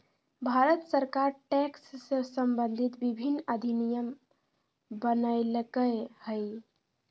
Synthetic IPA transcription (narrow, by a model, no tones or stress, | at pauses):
bʱaɾət̪səɾkaɾʈɛksːəsəmbənd̪ʱit̪bibʱinːəd̪ʱinijəm | bənəɪlkəhəj